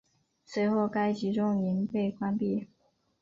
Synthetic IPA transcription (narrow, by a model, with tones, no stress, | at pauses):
swe˧˥ɪxo˥˩ʊka˥ɪt͡ɕi˧˥ʈ͡ʂʊ˥ŋi˧˥npe˥˩ɪkwa˥npi˥˩